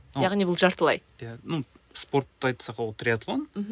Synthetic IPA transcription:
ɑʁnibʊlˠʒɑɾt̪əlˠɑ̰jjanu | spo̞ɾt̪ːɑjt̪sɑqɑwt̪ɾʲiat̪lˠonm̩ɦ

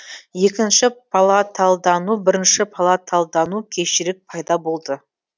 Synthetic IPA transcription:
je̞kʲɪnʃɪpʰɑlˠɑt̪ʰɑlˠd̪ɑnubɪɾɪnʃɪpʰalˠɑt̪ʰɑlˠd̪ɑnukʲʰe̞ʃɪɾɪk̚pʰɑjd̪ɑbo̞lˠd̪ə

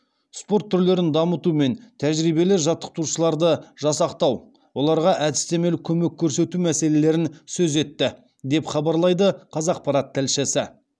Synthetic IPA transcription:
spo̞ɾt̪ʰːʏɾle̞ɾɪnd̪ɑmət̪ume̞nt̪ʰæʒɾijbe̞lɪʒɑt̪ːə̥q̚t̪uʃəlˠɑɾd̪əʒ̥ɑsɑqt̪ɑw | wo̞lˠɑɾʁɑʔæd̪ɪst̪e̞me̞lkʲʰɵme̞kʲʰːɵɾse̞t̪umæse̞le̞le̞ɾɪnsɵze̞t̪ːɪ | d̪e̞pχɑbɑɾlˠɑjd̪əqʰɑzɑq̚pɑɾɑt̪ʰːɪlʃɪsɪ

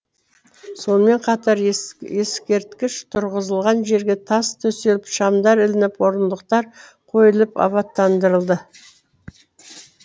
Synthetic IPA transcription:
so̞nəme̞ɴqʰɑt̪ɑɾje̞skʲe̞ɾt̪kʲɪʃt̪ʰʊɾʁəzəlˠʁɑnʒe̞ɾɡʲe̞t̪ʰɑst̪ʰɵse̞lɪpʃɑmd̪ɑɾɪlɪnɪpwo̞ɾənd̪əqt̪ɑɾ | qʰo̞jəlˠəpɑ̰βɑt̪ːɑnd̪əɾəlˠd̪ə

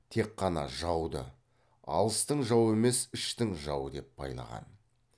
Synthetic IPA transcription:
t̪ʰe̞qʰːɑnɑ̰ʒɑwd̪ə̰ | ɑ̰lˠəst̪əɴʒɑwe̞me̞sɪʃt̪ɪŋʒɑwəd̪e̞pːbɑ̰jlˠɑ̰ʁɑ̰n

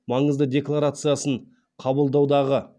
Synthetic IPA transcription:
mɑɴəzd̪əd̪ʲe̞klˠaɾat̪sɨjasəɴ | qʰɑbəlˠd̪ɑwd̪ɑʁə

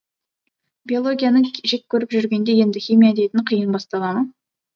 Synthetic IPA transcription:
bʲio̞lˠo̞ɡʲijanəʒe̞k̚ʲkʲʰɵɾɪpʒʏɾɡʲe̞nd̪e̞je̞nd̪ɪxʲijmijad̪e̞jt̪ɪɴqʰijənbɑst̪ɑlˠɑmən

